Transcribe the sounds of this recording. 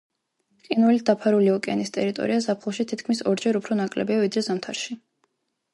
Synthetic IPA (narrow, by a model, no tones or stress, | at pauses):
qʼinvɛlid̪apʰaɾuliɔkʼɛ̰nist̪ʼɛɾit̪ʼɔ̰ɾiazapʰχlˠɔʃit̪ʰit̪ʰkʰmisɔɾd͡ʒɛɾupʰɾɔnakʼlɛ̰biavid̪ɾɛzamt̪ʰaɾʃi